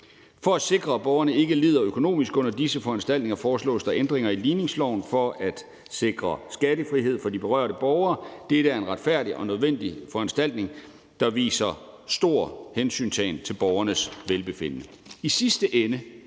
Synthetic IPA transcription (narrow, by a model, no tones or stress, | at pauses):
fɒ̽æ̥se̝ɡ̥ʁɐb̥ɒʊɐnəe̝ɡ̥əlḭːðˠɐøkʰo̝no̝̰ːmisɡ̥ɔ̽n̰ɐd̥isəfɒ̽ænsd̥æl̰d̥ne̝ŋɐfɒːslɔ̰ːsd̥ɑ̈ʔend̥ʁeŋɐiliːne̝ŋslɒʊnfɒ̽æd̥ | se̝ɡ̥ʁɐsɡ̥æɾəfʁiɦe̝ð̰ˠfɒ̽d̥ib̥e̝ʁɶ̰ɐ̰ɾ̥əb̥ɒʊɐːd̥eɾ̥əæɐe̝nʁɑ̈d̥fæɐ̰d̥iʔɒ̽nøð̞ˠʋen̰d̥ifɒænsd̥æl̰d̥ne̝ŋ | d̥ɑ̈ʋḭːsɐ | sd̥o̝ɐ̰hensy̰ːnsʰɛ̰ːnt͡sʰe̝lb̥ɒʊɐnəsʋelb̥e̝fe̝n̰ənəisisd̥əʔenə